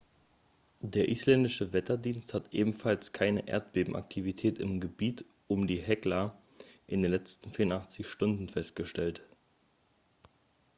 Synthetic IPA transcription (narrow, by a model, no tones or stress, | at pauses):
deːɐʔiːslɛndɪʃəvɛtɐdiːnsthatʔeːbm̩falskʰaɪnəʔḛːɐt̚b̥eːbm̩ʔa̰k̚tʰivitʰɛːtɪ̰mɡəbiːt | ʔʊmdiːɦɛklɐ | ʔɪndeːnlɛt͡stn̩fiːɐʊntʔaχt͡sɪçʃtʊndn̩fɛst̚ɡ̥əʃtɛlt